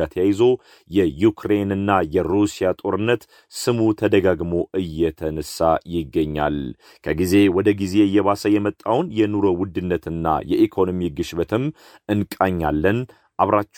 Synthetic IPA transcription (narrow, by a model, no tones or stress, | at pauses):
at̪ʰjajɪzo̞ | jɛjukɾe̞nɨnːajɛɾusijat̪ʼo̞ɾɨnːət̪ | sɨmut̪ʰəd̪əɡaɡmo̞ʔɨjːɛt̪ʰənəsːajɪɡːəɲːa̰l | kʰəɡize̞wɔd̪əɡize̞ɨjːɛβasəjɛmət̪ʼːawnjɛnuɾowʊd̪ːɨnːət̪ɨnːa̰jɛʔikʰo̞no̞miɡɨʃbət̪ʰɨm | ɨnkʼaɲːalːən | ʔaβɾat͡ʃː